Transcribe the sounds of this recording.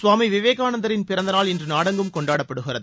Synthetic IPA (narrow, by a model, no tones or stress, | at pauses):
sʋaːmiʋɪʋeːɣaːnɐnd̪ɐɾɪnpɪɾɐnd̪ɐnaːlɛndrɯnaːɽɐŋɡɯmkɔɳɖaːɽɐpːɐɽɯɣɪrɐðɯ